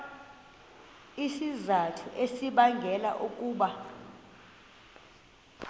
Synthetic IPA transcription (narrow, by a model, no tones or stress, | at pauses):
isizatʰuʔesiɓaŋɡʱɛla̰ʔuk̬ʼuːɓa